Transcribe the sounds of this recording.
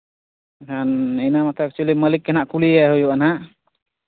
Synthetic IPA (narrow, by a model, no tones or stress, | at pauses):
kʰaninamat̪ʰɛak̚t͡ʃualiməlikːɛnaʔkuliaɦujuʔanaʔ